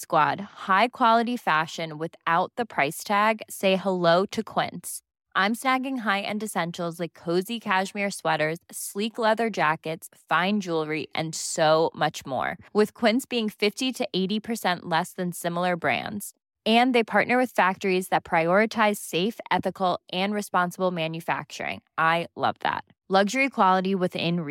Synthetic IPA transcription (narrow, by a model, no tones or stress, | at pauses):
skwɑd̥̚haɪkʰw̥ɑlˠəɾifæʃɨ̃nwɪθaʊt̪̚ðɨpʰɹ̥aɪstʰæɡseɪəloʊɾɨkʰw̥ɪ̰̃nts | ʔãɪ̃msnæɡɪ̃ŋɦaɪʔɨ̰̃ndɨsɛ̃nʃl̩ˠzlaɪkʰːoʊzikʰæʃmɪɹswɛɾə˞z̥sliklɛðə˞d͡ʒækɨtsfãɪ̃nd͡ʒulˠɹiʔɨ̰̃nsoʊmʌt͡ʃmɔ̰ɹwɨð̥kʰw̥ɪ̃ntsb̥iɪ̃ŋfɪftiɾɨʔeɪɾipʰə˞sɛ̃nʔlɛsðɨ̃nsɪ̃ml̩ˠə˞bɹæ̰̃ndz̥ | ɨ̃nðeɪpʰɑɹʔⁿnə˞wɨð̥fæk̚tə˞izðɨt̚pʰɹ̥aɪɔɹɨtʰaɪz̥seɪfɛθɨkl̩ˠʔɨ̃nɹɨspɑ̃nsəbl̩ˠmæ̃njɨfæ̰k̚t͡ʃə̰˞ɪ̰̃ŋʔaɪlʌ̰vðæ̰t̚ | lʌɡʒə˞ikʰw̥ɑlˠəɾiwɨðɪ̰̃n